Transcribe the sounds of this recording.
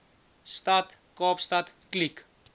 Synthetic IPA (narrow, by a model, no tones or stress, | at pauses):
st̪at̪ | kɔːpst̪at̪klik